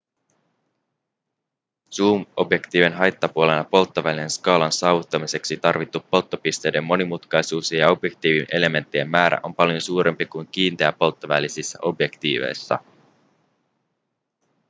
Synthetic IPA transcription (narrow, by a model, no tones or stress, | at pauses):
suːmo̞bje̞kt̪iːʋenɦɑjt̪ːɑpuole̞nɑpo̞lt̪ːoʋælise̞nskɑːlɑnsɑːʋut̪ːɑmise̞ksit̪ɑrʋit̪ːupːo̞lt̪ːopist̪e̞jde̞mːo̞nimut̪kɑjsuːsejɑo̞bje̞k̚t̪iːʋinʔe̞le̞me̞nt̪ːiemːæːɾæ̰ʔo̞mpɑljo̞suːɾe̞mpikujŋk̟iːnt̪eæpːo̞lt̪ːoʋælisisːæ̰ʔo̞bje̞kt̪ḭːʋḛjsːɑ̰